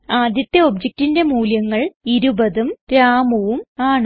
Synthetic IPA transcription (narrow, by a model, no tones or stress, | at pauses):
aːd̪ʱjɐt̪ːjɐo̞bd͡ʑek̚tinde̞muːljɐŋːɐɭiɾubɐðumtɾaːmuʋumaːɳ